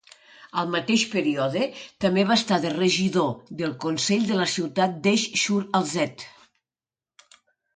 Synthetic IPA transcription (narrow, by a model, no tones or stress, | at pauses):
əlˠmat̪eʃpeɾiɔðet̪əmeβast̪aðereʒiðoðelˠkonsɛʎd̪ələsiwt̪at̪̚d̪eʃʃuɾalˠzɛt̪